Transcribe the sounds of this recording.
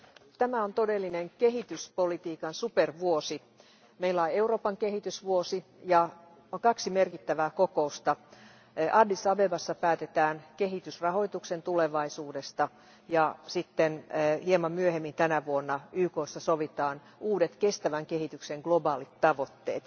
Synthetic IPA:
t̪æmæont̪odelːineŋkeɦit̪yspolit̪iːkɑnsuperʋuosi | meilːæoeuro̞ːpɑŋkehit̪ysʋuosi | jɑ | okɑksimerkit̪ːæʋæːkokoust̪ɑ | ʔɑdːisɑbebɑsːɑpæːt̪et̪æːnkeɦit̪ysrɑɦo̞it̪uksent̪uleʋɑisuːdest̪ɑ | jɑsit̪ːenhiemɑmmyøhemːint̪ænæʋuonːɑyːkoːsːɑsoʋit̪ɑːn | uːdet̪kest̪æʋæŋkehit̪ykseŋɡ̥lobɑːlit̪t̪ɑʋot̪ːeːt̪

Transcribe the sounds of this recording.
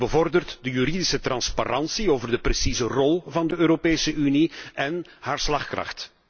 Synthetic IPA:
bəvɔrdərtdəjyɾidɪsət̪rɑnspa̰ɾɑnsioːvərdəpresizərɔlˠvɑndəøːɾopeːsəʔyniɛnhaːrslɑxkrɑ̰xt

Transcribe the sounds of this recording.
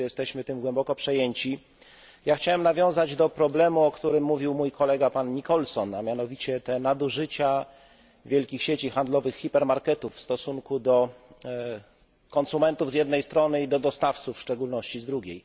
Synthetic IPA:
jɛst̪ɛɕmɘt̪ɘmɡwɛmbɔkɔpʂɛjeɲt͡ɕi | jaxt͡ɕawɛmnavʲjɔ̃w̃zad͡ʑd̪ɔpɾɔblɛmuɔkt̪uɾɘmːuvʲiwmujkʰɔlɛɡapanɲikɔlsɔnamʲjanɔvʲit͡ɕɛt̪ɛnad̪uʐɘt͡ɕa | vʲjɛlkʲixɕet͡ɕixand̪lɔvɘxːipɛɾmaɾkɛt̪ufːst̪ɔsuŋkud̪ɔ | kɔnsumɛnt̪uvzjɛd̪nɛjst̪ɾɔnɘid̪ɔd̪ɔst̪aft̪sufʂt͡ʂɛɡulnɔɕt͡ɕizd̪ɾuɡʲej

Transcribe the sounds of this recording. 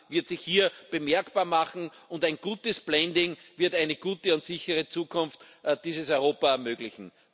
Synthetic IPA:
vɪɐtsɪçhiːɐb̥əmɛɐkb̥aːɐmaχn̩ʊndæɪnɡ̥uːtəsb̥lɛndɪŋvɪɐtæɪnəɡ̥uːtəʊntsɪçəʁ̞ət͡suːkʰʊnftːd̥iːzəsɔʏʁoːpaɛɐmøːɡlɪçn̩

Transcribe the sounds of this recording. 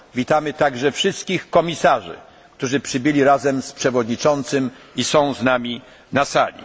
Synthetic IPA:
vʲit̪amɘt̪aɡʐɛfʂɘst̪̚kʲixkɔmʲisaʐɘ̰ | kt̪uʐɘpʂɘbɘlʲiɾazɛmspʂɛvɔd̪ɲit͡ʂɔnt̪sɘm | isɔ̃w̃znamʲi | nasalʲḭ

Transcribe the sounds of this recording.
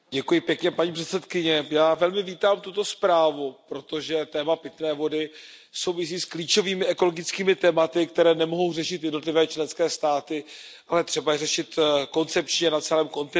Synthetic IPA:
ɟɛkujɪpjɛkɲɛpaɲiːpr̥ɛt̪t͡sɛt̪kɪɲɛjaːvɛlmɪviːt̪aːmt̪ut̪o̞spɾaːvupɾo̞t̪o̞ʒɛt̪ɛːmapɪt̪nɛːvo̞dɪ | so̞wvɪs̬iːskliːt͡ʃo̞viːmɪʔɛko̞loɡɪt͡skiːmɪt̪ɛːmat̪ɪkt̪ɛɾɛːnɛmo̞ɦo̞wrɛʃɪt̪jɛdno̞t̪lɪvɛːt͡ʃlɛnskɛːst̪aːt̪ɪʔalɛjɛt̪r̝̥ɛbajɛrɛʃɪt̪ko̞nt͡sɛp̚t͡ʃɲɛnat͡sɛlɛːmko̞nt̪ɪ

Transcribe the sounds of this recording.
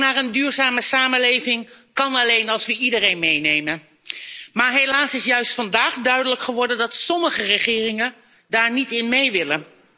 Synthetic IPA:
naːɾəndyːɹzaːməsaːmənlejvɪŋkɑnɑlejnɑlˠsʋəʔidərejnmejnejmən | maːɹɦejlaːsɪsjœɥstfɑndaːχdœɥdələkχəʋɔɹdəndɑtsɔməχərəχɪːrɪŋə | daːɹnitɪnmejʋɪlən

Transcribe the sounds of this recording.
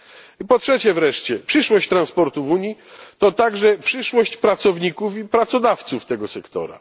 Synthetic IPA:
ipɔtʂɛt͡ɕɛvɾɛʂt͡ɕɛpʂɘʂwɔɕt͡ɕt̪ɾanspɔɾt̪uvuɲit̪ɔt̪aɡʐɛpʂɘʂwɔɕt͡ɕpɾat̪sɔvɲikufipɾat̪sɔd̪aft̪suft̪ɛɡɔsɛkt̪ɔ̰ɾa̰

